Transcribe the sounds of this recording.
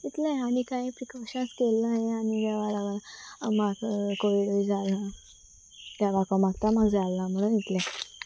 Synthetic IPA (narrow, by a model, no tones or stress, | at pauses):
it̪laɦaɽ̃ikaipɾikɔɕaskelːaɦeanid̪aʋalaʋənmaɡkoʋiɽəid͡zala | t̪jaʋakõmaɡt̪amaɡd͡zalːam̤əɽ̃uːnit̪lɛ̃